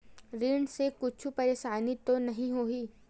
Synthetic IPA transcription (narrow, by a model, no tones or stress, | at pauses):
ɾiːɳɖsekʊt͡ʃʰupɐɾeːʃaːnit̪onɐɦĩɦoːɦiː